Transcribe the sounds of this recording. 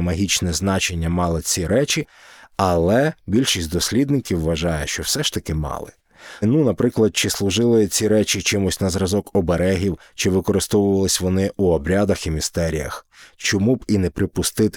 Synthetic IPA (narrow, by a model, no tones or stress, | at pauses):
mɐɦʲit͡ʃnɛznɑt͡ʃe̞nʲːɐmɑlˠɪt͡sʲiɾɛt͡ʃʲiɐlˠɛbʲilʲʃisʲtʲd̪ɔsʲlʲid̪nɪkʲiwːɐʒɑjɛʃt͡ʃɔwsɛʃt̪ɐkɪmɑ̰lˠɪ̰ | nunɐpɾɪklˠɐd̪̚t͡ʃɪslˠʊʒɪlˠɪt͡sʲiɾɛt͡ʃit͡ʃɪmʊsʲnɐzɾɐzɔkɔbeɾɛɦʲiw | t͡ʃɪʋɪkɔɾɪst̪ɔʋʊʋɐlˠɪsʲʋɔnɪʔuɔbɾʲad̪ɐximʲist̪ɛɾʲijɐ̰xt͡ʃɔmubinɛpɾɪpʊst̪ɪt̪